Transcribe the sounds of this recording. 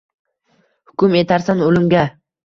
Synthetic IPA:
hʊkʲʊme̞t̪ʰaɾsanolɪmɡʲa

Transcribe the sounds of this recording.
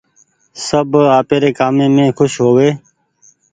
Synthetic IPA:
səbaːpeːɾeːkaːmẽːmẽːkʰʊʃɦoːʋeː

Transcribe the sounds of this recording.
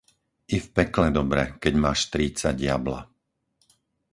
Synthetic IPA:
ifpɛklɛd̪ɔbɾɛkɛɟmaːʃt̪ɾiːt͡saɟɪabla̰

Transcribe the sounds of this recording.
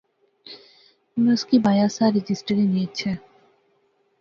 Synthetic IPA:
unoskibajasaɾid͡ʑisʈaɾinijet͡ɕʰe

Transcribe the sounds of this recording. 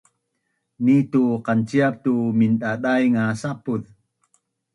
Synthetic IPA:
nituqant͡ɕiap̚tuminɗaɗajŋasapuð

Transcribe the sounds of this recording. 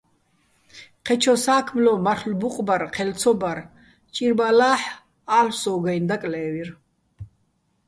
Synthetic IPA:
qʰɛt͡ʃʰɔsaːkʰmlɔmaɾχlbuqʼbaɾqʰɛlt͡sʰɔbaɾ | t͡ʃʼiɾbalaːħ | aːlsɔːɡajnd̪akʼlɛːvir

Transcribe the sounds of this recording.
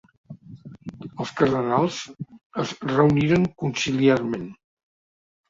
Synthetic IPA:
əlˠskəɾðənalˠz̥əzrəuniɾəŋkunsiliaɾmen

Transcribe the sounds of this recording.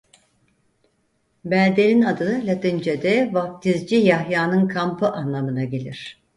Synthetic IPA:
bælʲd̪elʲinad̪ɯlʲat̪ind͡ʒed̪ɛvaft̪ʰizd͡ʒijahjaːnɯnkʰampʰɯʔanlˠamɯnaɟe̞lʲiɾ̥

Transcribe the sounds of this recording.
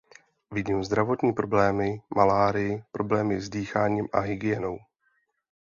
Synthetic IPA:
vɪɟiːmzd̪ɾavo̞t̪ɲiːpɾo̞blɛːmɪmalaːɾɪjɪpɾo̞blɛːmɪzdiːxaːɲiːmʔaɦɪɡɪjɛno̞w

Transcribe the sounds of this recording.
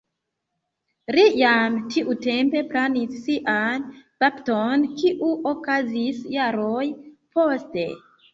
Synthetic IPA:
lijamtʰiʔute̞mpe̞planisːiʔanpaptonkiʔuʔokazisjaɾojpo̞ste̞̰

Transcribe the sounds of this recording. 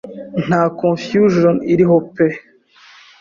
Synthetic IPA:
n̥aːkõnfjuʒoniɾiɦope

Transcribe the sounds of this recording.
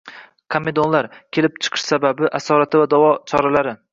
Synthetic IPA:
kʰame̞d̪onlaɾkʲʰe̞lɪp̚t͡ʃʰɨ̥qʰɨ̥ʃsababɪʔasɒɾat̪ʰɪvad̪awɒt͡ʃʰɒɾalaɾɪ

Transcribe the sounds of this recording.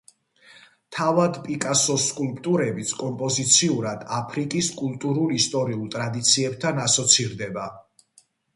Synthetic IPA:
t̪ʰavad̪pʼikʼasɔskʼulpʼt̪ʼuɾɛbit̪sʰkʼɔmpʼɔzit̪sʰiuɾad̪apʰɾikʼiskʼulˠt̪ʼuɾulist̪ʼɔɾiulˠt̪ʼɾad̪it̪sʰiɛb̚t̪ʰanasɔt̪sʰiɾd̪ɛba

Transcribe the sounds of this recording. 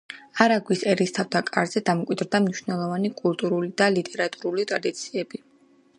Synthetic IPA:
aɾaɡwisɛɾist̪ʰavd̪akʼa̰ɾzɛd̪amkʼwid̪ɾd̪amniʃnɛlˠɔvanikʼulˠt̪ʼuɾulid̪alit̪ʼɛɾat̪ʼuɾulit̪ʼɾad̪it̪sʰiɛbi

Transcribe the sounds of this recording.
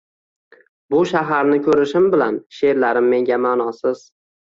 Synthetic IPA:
bʊʃaɦaɾnɪkʲʰɵɾɪʃɪmbɪlanʃe̞ɾlaɾɪmːe̞ŋɡʲamaːnɒsɪz̥

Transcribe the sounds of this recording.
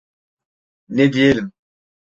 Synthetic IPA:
ned̪ieləm

